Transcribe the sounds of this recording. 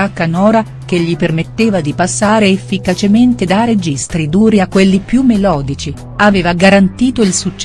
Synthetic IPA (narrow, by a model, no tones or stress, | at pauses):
akːanɔːɾa | k̟eʎːipermet̪ːeːvad̪ipasːaːɾeːfːikat͡ʃement̪ed̪aɾed͡ʒist̪ɾid̪uːɾiakːwelːipjumːelɔːd̪it͡ʃi | aveːvaɡaɾant̪iːt̪oilsut͡ʃː